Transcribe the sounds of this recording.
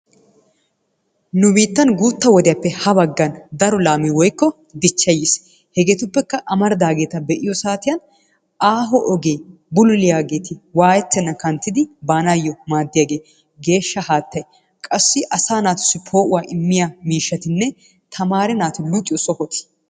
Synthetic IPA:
nʊbiːt̪ːɐnɡuːt̪ːɐwɔd̪ɪjɐpːɛhɐbɐɡːɐnd̪ɐɾɔlaːmiwɔjkːɔ | d̪ɪt͡ʃːɐjes | hɛɡeːt̪ʊpːɛkːɐʔɐmɐɾd̪aːɡe̞ːt̪ɐbɛʔɪjɔsaːt̪ɪjɐn | ʔaːɦɔʔɔɡeː | bʊlʊlɪjaːɡe̞ːt̪ɪwaːjɛt̪ːɛnːɐkɐnt̪ːɪd̪ɪbaːnajːɔmaːd̪ːɪjaɡeː | ɡe̞ːʃːɐhaːt̪ːɐj | kʼɐsːɪʔɐsaːnaːt̪ʊ̥sːɪpʰo̞ːʔʊwaːʔɪmːɪjamiːʃːɐt̪ɪnːɛ | t̪ʰɐmaːɾɛnaːt̪ʊlukʼːɪjɔsɔhɔt̪ɪ̥

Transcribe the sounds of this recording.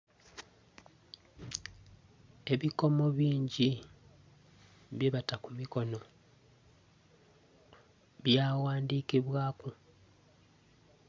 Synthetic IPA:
e̞βiko̞mo̞βiːɲɟi | βjeβatakumiko̞no̞ | βjaːwaːndiːkiβwaːku

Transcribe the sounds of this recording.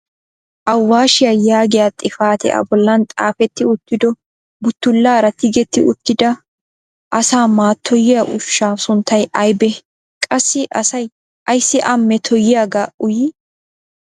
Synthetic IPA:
ʔɐwːaːʃɪjajaːɡɪjat̪ʼɪfaːt̪ɛ̰ʔɐ̰bɔlːɐnt̪ʼa̰ːfɛt̪ːɪʊt̪ːɪd̪ɔ | bʊt̪ːʊlːaːɾɐt̪ɪɡɛt̪ːɪʔʊt̪ːɪd̪ɐ | ʔɐsaːmaːt̪ʰːɔjɪjaʔʊʃːaːsʊnt̪ʰːɐjɐjbɛ | kʼɐsːɪʔɐsɐj | ʔɐjsːɪʔɐmːɛt̪ʰɔjɪjaɡaːʔʊj

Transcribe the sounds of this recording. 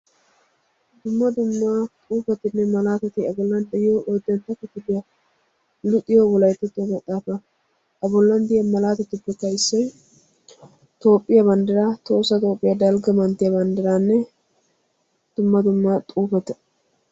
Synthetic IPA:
d̪ʊmːɐd̪ʊmːat̪ʼuːfɛt̪ɪnːɛmɐlaːt̪ɛt̪ɪɐbɔlːɐnd̪ɛjɪjoʔod̪ːɛnt̪ːɐkːɪt̪ːɪd̪ɪjɐ | lʊt̪ʼːɪjowɔlɐjt̪ːɛt̪ːomɐt̪ʼːaːfɐ | ɐbʊɔlːɐnd̪ɪjɐmɐlaːt̪ɛt̪ʊpːɛkːɐɪsːɐj | t̪o̞ːpʼːɪjɐbɐnd̪ɪɾaːt̪o̞ːsɐt̪ʼo̞ːpʼːɪjɐd̪ɐlɡɐmɐnt̪ːɪjɐbɐnd̪ɪɾaːnːɛ | d̪̥ʊmːɐd̪ʊmːat̪ʼuːfɛt̪ɛ̥

